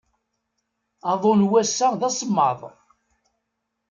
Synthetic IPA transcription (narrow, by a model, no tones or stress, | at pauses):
ɑðˤonwæsːæðæsəmːɑ̰ðˤ